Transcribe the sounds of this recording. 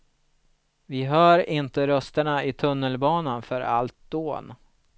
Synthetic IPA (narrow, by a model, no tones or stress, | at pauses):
vɪɦœːɾɪnt̪əɾœst̪əɳaɪt̪ʰɵnːəlbɑːnanfœɾa̰lt̪̚d̪oːn